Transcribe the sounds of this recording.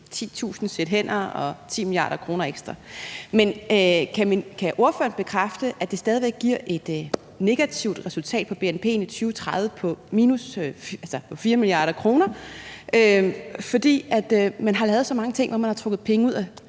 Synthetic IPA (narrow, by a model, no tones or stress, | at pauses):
t͡sʰḭːt͡sʰṵːsn̩sed̥ɦen̰ɐɒ̽t͡sʰḭːmilijɑ̰̈ːɾ̥ɐkʰʁo̝ːnɐeɡ̥sd̥ʁɑmenkʰæminkʰæʔo̝ɐføɐnb̥e̝kʰʁafd̥əʔæd̥e̝sd̥ɛːð̞ˠiʋeɡ̥̚ɡ̥ːiɐ̰ʔe̝d̥ | ne̝ɡ̥æt͡sʰiʊ̰d̥ʁɛsult͡sʰɛ̰ːd̥̚pʰɒ̽b̥e̝enpʰe̝̰ːnit͡sʰyːʊt͡sʰʁɑðˠʋəpʰɒ̽miːnusælsɒpʰɒ̽fiːɐmiliɑ̰̈ːɾ̥ɐkʰʁo̝ːnɐøfɒ̽d̥ḭːæd̥mænɦɑ̈lɛːʊðˠsɒ̽mɑ̈ŋət͡sʰe̝ŋ̰ʋɒmænhɑ̈t͡sʰʁɔ̽ɡ̥ð̞̩ˠpʰeŋəuð̞̰ˠæ